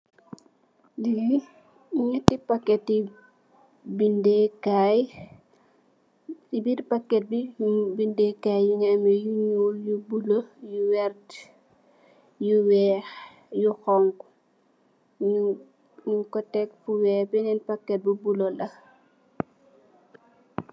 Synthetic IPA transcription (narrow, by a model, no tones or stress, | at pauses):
dii | iɲətipakːɛti | bindekaj | tibiɾpakːɛt̚bibindekajjuŋɛmɛjuɲujubulojuwɛɾt | juwɛx | juxɔŋɡ | ɲukɔtɛkfuwɛbɛnɛnpakːɛt̚bubulolɐ